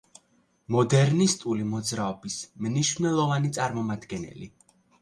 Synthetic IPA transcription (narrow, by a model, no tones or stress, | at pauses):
mɔd̪ɛɾnist̪ʼulimɔd̪zɾaɔbismniʃvnɛlˠɔvanit̪sʼaɾmɔmad̪ɡɛnɛ̰li